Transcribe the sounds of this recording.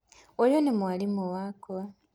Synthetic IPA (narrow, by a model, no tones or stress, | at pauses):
ojonemwalimuwakoa